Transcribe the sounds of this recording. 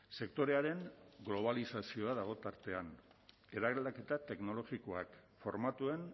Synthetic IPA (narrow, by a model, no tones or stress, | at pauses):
se̞kt̪o̞ɾe̞aɾe̞ŋɡlo̞β̞alisasio̞aðaɣ̞o̞t̪aɾt̪e̞an | e̞ðaɣlake̞t̪at̪e̞kno̞lo̞ɣiko̞akfo̞ɾmat̪ue̞n